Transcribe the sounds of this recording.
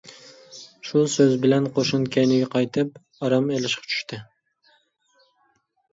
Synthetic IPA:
ʃusøzbɪlɛnqʰoʃʊnkʲʰɛjnɪɡʲɛqʰɑjt̪ʰɪp | ɑɾɑmelɪʃqɑ̥t͡ʃʰy̥ʃt̪ʰɪ

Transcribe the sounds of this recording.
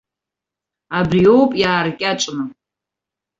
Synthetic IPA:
abrio̞wpʼjaːrkʲʼat͡ʃʼnɨ

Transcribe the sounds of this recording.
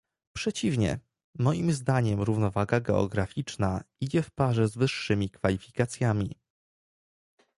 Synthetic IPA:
pʂɛt͡ɕivɲɛ̰ | mɔjimzd̪aɲɛmɾuvnɔvaɡaɡɛɔ̰ɡɾafʲit͡ʂnaid͡ʑɛfpaʐɛzvɘʂːɘmʲikfalʲifʲikat̪sʲjamʲi

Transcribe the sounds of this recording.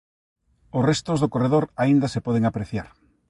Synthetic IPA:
ʊsrest̪ʊzðokoreðoɾaind̪asepɔð̞eŋapɾeθjaɾ

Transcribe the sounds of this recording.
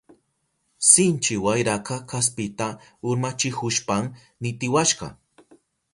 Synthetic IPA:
sɪnt͡ʃɪwajɾakɑkʰas̬pɪt̪aʊɾmat͡ʃɪhʊʃpam | nɪt̪ɪwaʃɢɑ̰

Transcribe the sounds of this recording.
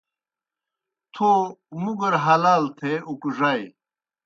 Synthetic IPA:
t̪ʰomuɡɐɾɦɐlaːlt̪ʰeukuʐaj

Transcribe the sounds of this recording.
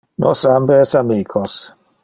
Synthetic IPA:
nʔosambesamiːkʰos

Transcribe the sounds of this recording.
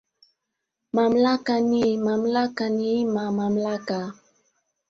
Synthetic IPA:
mamlakanimamlakanimamamlaka

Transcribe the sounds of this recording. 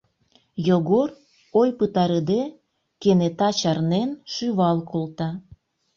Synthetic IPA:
joɣor | ojpət̪ɑɾed̪e | kenet̪ɑt͡ɕɑrnenʃyβɑlkolt̪ɑ

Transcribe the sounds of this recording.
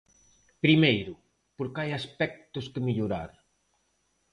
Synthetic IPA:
pɾimejɾʊ | poɾkajaspɛk̚t̪ʊskemiʎoɾa̰ɾ

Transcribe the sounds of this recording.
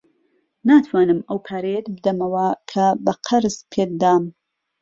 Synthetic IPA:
naːt̪ʰwaːnɨmɐwkʰaːɾejet̪bɨd̪ɐmɐwɐkʰɐbɐqʰɐɾzpʰeːk̚d̪aːm

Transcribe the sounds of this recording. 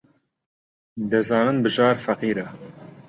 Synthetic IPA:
d̪ɨzɑːnɨnbɨʒɑːɾfɐqiːɾɛ

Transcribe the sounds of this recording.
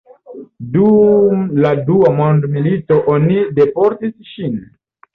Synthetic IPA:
dumladuamondmilito̞ʔonide̞po̞ɾtisʃin

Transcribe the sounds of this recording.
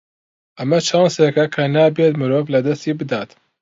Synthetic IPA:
ʔɐmɐt͡ʃʰaːnsekɐkʰɐnaːbet̪mɨɾoːvlɐd̪ɐst̪iːbɨd̪aːt̪

